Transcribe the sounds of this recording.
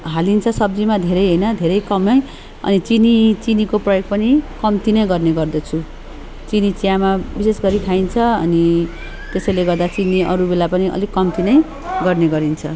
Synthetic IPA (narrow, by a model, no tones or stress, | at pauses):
ɦalint͡sʰʌsʌbd͡zimad̪ʱeɾʌjɦʌjnʌd̪ʱeɾʌjkʌmʌj | ʌ̰nit͡sinit͡sinikoprʌjoɡ̚pʌnikʌmt̪inʌj̃ɡʌrneɡʌrd̪ʌt͡sʰu | t͡sinit͡sijamabisesɡʌɾit̪ʰaint͡sʰʌʌ̰ni | t̪esʌjleɡʌrd̪at͡siniʌ̰ɾubelapʌniʔʌ̰likʌmt̪inʌj̃ | ɡʌrneɡʌɾint͡sʰʌ